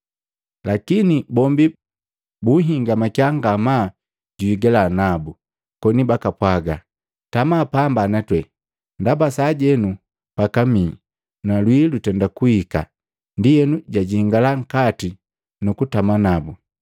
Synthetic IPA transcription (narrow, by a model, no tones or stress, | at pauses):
lakinibɔmbi | buɦiŋɡamakjaŋɡama | ɟuiɡɛlanabu | kɔnibakapwaɡa | tamapambanatwɛ | ndabasaɟɛnu | pakami | nalwilutɛndakuhika̰ | ndijɛnuɟaɟihiŋɡalaŋ̩kati | nukutamanabu